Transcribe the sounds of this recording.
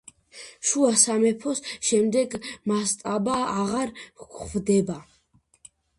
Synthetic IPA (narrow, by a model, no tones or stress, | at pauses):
ʃuasamɛpʰɔsʃɛmd̪ɛɡmast̪ʼabaːʁaɾɡvd̪ɛba